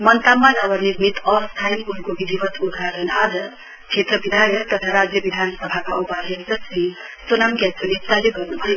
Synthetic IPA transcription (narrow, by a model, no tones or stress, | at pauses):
mʌnt̪amːanabʌniɾmit̪ʌst̪ʰajnkunkobid̪ʱibʌt̪ud̪ʱɾaɡʌnad͡zʌ | t͡sʰet̪ɾʌbid̪ʱajjʌt̪ʌt̪ʰaɾad͡zjʌbid̪ʱanʌsʌbʱakaupaɦend͡zʌspaɦĩsunamkatʌnit͡saleɡʌrnubʱʌe